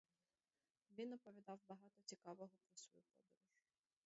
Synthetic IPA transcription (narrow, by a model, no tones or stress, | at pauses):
ʋʲinɔpɔʋʲid̪ɑwbɐɦɑt̪ɔt͡sʲikɑʋɔɦɔpɾɔsɔ̰jupɔ̰d̪ɔɾʊʒ